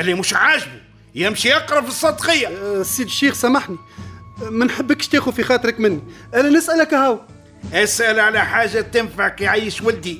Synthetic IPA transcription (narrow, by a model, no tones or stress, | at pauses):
ʔlːimuʃʕaːʒbu | jɪmʃiɑqɾˤɑbfəsˤːɑːd̪qəjːasiːd̪ʃːiːxsæmaħni | mænħəbːækʃt̪iːxufixɑːt̪ˤɾɪkmɪnːi | ʔæːlænɪsʔælækhæw | ʔæsʔælʕalæħaːʒːat̪ɪnfaʕkjʕajːəʃwæld̪i